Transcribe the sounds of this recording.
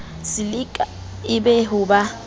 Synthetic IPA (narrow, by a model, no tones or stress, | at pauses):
sɪlɪkʼa | ɪbɛɦʊba